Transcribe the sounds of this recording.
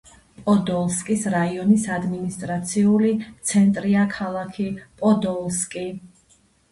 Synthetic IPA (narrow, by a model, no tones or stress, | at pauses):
pʼɔd̪ɔlˠskʼisɾaiɔnisad̪minist̪ʼɾat̪sʰiulit̪sʰɛnt̪ʼɾiakʰalˠakʰipʼɔd̪ɔlˠskʼi